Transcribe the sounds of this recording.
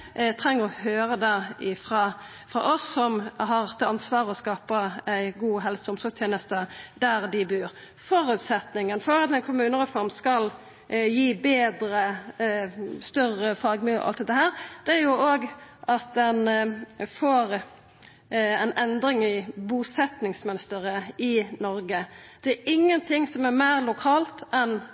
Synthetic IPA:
t̪ʰɾɛŋːəʁɔhøːɾəd̪ɛɪfɾɑː | fɾɑ̰ːʔɔsːɔmɦɑt̪ʰɪɑnsʋɑːʁəɔskɑːpəæɪɡuːɦɛlsəɔmsɔst̪ʰjeːnəst̪əd̪æɾd̪ɪbʉːɾ | fɔɾʉːt̪sɛt̪nɪŋənfɔɾɑt̪̚ɛɪnkʰʊmʉːnəʁɛfɔɾmskɑl | jiːbeːd̪ɾə | st̪œrəfɑːɡmɪlɔ̰ʔɑ̰lt̪ɛt̪ːəɦæːɾd̪̥ɛæɾjʊoːɡʔɑt̪̚d̪ɛnfoːɾ | æɪnʔɛnd̪ɾɪŋɪbusɛt̪nɪŋsmɛnst̪əʁəɪnɔɾɡəd̪̥ɛæɪŋːənt̪ʰɪŋsɔmæɾmæːʁlʊkʰɑːlt̪ɛn

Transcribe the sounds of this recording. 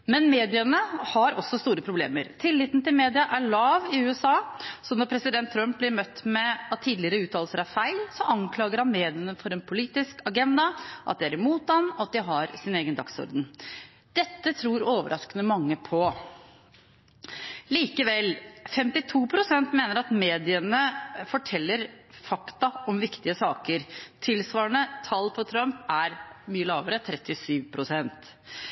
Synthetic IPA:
mɛnmeːd̪ɪənəhɑɾɔsːɔst̪uːɾəpʰɾʊblḛːməɾt̪ʰɪlːɪt̪nt̪ɪlmeːd̪ɪɑʔæɭɑːʋɪʉːɛsɑːsɔnɔɾpʰɾɛsɪd̪ɛnt̪ʰːɾœmp̚blɪɾmœt̪ːmɛɑt̪ʰːiːd̪lɪəɾəʉːt̪ʰɑːlsəɾæfæɪlsɔʔɑŋkʰlɑːɡəɾhɑnmeːd̪ɪənəfɔɾɛnpʰʊliːt̪ɪskɑɡɛnd̪ɑʔɑ̰t̪̚d̪ɛæɾɪmuːt̪ɑnɔɑt̪̚d̪ɪɦɑɾsɪneːɡənd̪ɑ̰ksɔ̰ɾd̪ən̩ | d̪̥ɛt̪ːət̪ʰɾuːɾoːʋəɾʔɑskənəmɑŋːəpʰɔ | liːkəʋɛlfɛmt̪ɪt̪ʰuːpʰɾʊsɛnt̪meːnəɾɑt̪meːd̪ɪənəfɔʈʰɛlːəɾfɑkt̪ɑɔmʋɪkt̪ɪəsɑːkəɾt̪ʰɪlsʋɑːəɳət̪ʰɑlːpʰɔt̪ʰɾœmpæɾmyːəlɑːʋəɾət̪ʰɾɛt̪ːɪsyːʋpʰɾʊsɛnt̪

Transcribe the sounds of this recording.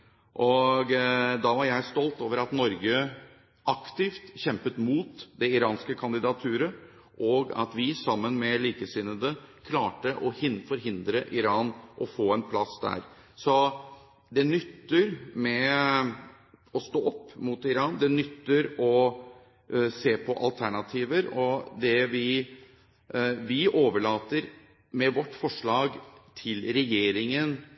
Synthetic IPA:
ʔɔɡd̪ɑʋɑɾjæɪst̪ɔlt̪oːʋəɾɑt̪nɔɾɡə | ʔɑkt̪ɪft̪çɛmpət̪muːt̪d̪ɛɪɾɑːnskəkʰɑnd̪ɪd̪ɑt̪ʰʉːɾə | ʔɔɡɑ̰t̪ʋɪsɑmːənmɛliːkəsɪnːəd̪əkʰlɑːʈəʔɔhɪnfɔɾɦɪnd̪ɾəʔɪɾɑːnʔɔfoːɛnpʰlɑsd̪æ̰ːɾ | sɔ | d̪ɛnʏt̪ːəɾmɛ | ɔst̪oːɔpːmut̪ɪɾɑːnd̪ɛnʏt̪ːəɾɔ | seːpʰɔʔɑ̰lt̪ʰæɳɑt̪ʰiːʋəɾɔd̪ɛʋɪ | ʋɪʔoːʋəɭɑːt̪əɾ | mɛʋɔʈːfɔʂɭɑːɡt̪ʰɪlɾɛjeːɾɪŋən

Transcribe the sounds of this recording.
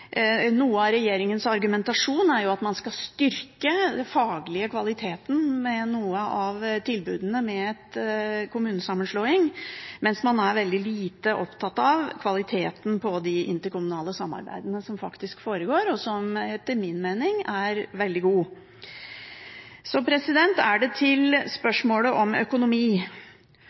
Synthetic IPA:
nuːəɑɾɛjeːɾɪŋənsɑɾɡʉmɛnt̪ɑʂuːnæɾjʊɑt̪mɑnskɑst̪ʏɾkəd̪ɛfɑːɡlɪəkʰʋɑlɪt̪ʰeːt̪n̩mɛnuːəʔɑʋt̪ʰɪlbʉːd̪ənəmɛɛt̪kʰʊmʉːnəsɑmːənʂloːɪŋmɛnsmɑnæɾʋɛld̪ɪliːt̪əʔɔpt̪ʰɑt̪ːɑʋkʰʋɑlɪt̪ʰeːt̪n̩pʰɔd̪ɪʔɪ̰nt̪əɾkʊmʉnɑːləsɑmːɑ̰ɾbæ̰ɪd̪ənəsɔmfɑkt̪ɪskfoːɾəɡoːɾɔsɔmɛt̪ːəɾmɪnmeːnɪŋæɾʋɛld̪ɪɡuː | sɔpʰɾɛsɪd̪ɛnt̪æɖɛt̪ʰɪlspœʂmoːləʔɔmœ̰kʊnʊmiː

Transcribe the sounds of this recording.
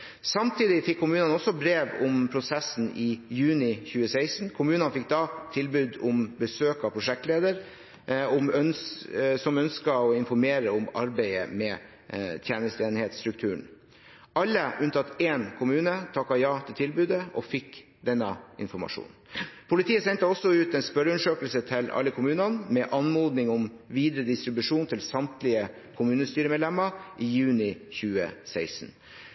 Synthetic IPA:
sɑmt̪ʰiːd̪ɪfɪkʰːʊmʉːnɑnɔsɔbɾeːʋʊmpʰɾʊsɛsn̩ɪjʉːnɪçʉːəsæɪsn̩kʰʊmʉːnənfɪk̚ːd̪ɑt̪ʰɪlbʉːd̪ʊmbəsøːkɑpʰɾʊʂɛkt̪leːd̪əɾ | ɔmœnsɔmœnskəɔɪnfɔɾmeːɾəɔmɑɾbæɪə̰mɛ | t̪ʰjæːnəst̪eːnheːt̪st̪ɾʉk̚t̪ʰʉːəɳ̩ | ʔɑlːəʔʉnt̪ʰɑt̪eːnkʰʊmʉːnət̪ʰɑkːɑjɑːt̪ʰɪlt̪ʰɪlbʉːd̪əʔɔ̰fɪkː | d̪ɛnːəɪ̰nfɔmɑ̰ʂṵːn | pʰʊlɪt̪ʰiːəsɛnt̪əɔsːɔʉːt̪ɛnspœɾʉnəʂøːkəlsət̪ʰɪlɑ̰lːəkʰʊmʉːnɑnmɛʔɑnmoːd̪nɪŋɔm | ʋiːd̪ɾəd̪ɪst̪ɾɪbʉʂuːnt̪ʰɪlsɑmt̪lɪə | kʰʊmʉːnəst̪yːɾəmeːd̪lɛmːəʔiːjʉːnɪçʉːə̰sæɪsn̩

